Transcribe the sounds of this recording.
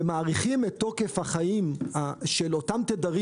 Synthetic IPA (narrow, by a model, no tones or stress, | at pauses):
maːʁiχimet̪ːo̞ke̞fhaχaimaʃelo̞tamtedaʁi